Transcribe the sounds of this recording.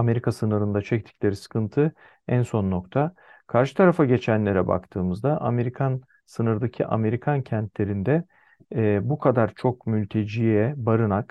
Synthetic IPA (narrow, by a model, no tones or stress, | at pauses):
ame̞ɾikʰasɯnɯɾɯnd̪at͡ʃʰɛc̚t̪ʰi̥cʲlʲe̞ɾisɯ̥kʰɯnt̪ʰɯ | ænso̞nːo̞kt̪ʰakʰaɾʃɯ̥t̪ʰaɾafaɟe̞t͡ʃʰænlʲe̞ɾɛba̰kt̪ʰɯːmɯzd̪aʔa̰me̞ɾikʰan | sɯnɯɾd̪acʰiʔa̰me̞ɾikʰancʰænt̪ʰlʲe̞ɾind̪ɛː | bukʰad̪aɾt͡ʃʰo̞kmylʲt̪ʰe̞d͡ʒijɛbaɾɯnak